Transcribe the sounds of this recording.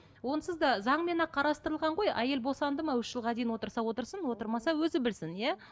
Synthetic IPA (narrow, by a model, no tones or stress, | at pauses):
wo̞nəsəzd̪ɑzɑɴme̞nɑqʰːɑɾɑst̪əɾəlˠʁɑɴʁo̞jæje̞lbo̞sɑnd̪əmɑʏʃʒ̥əlˠʁɑd̪ejɪnwo̞t̪əɾsɑwo̞t̪əɾsənwo̞t̪əɾmɑsɑwɵzɪbɪlsɪnjæ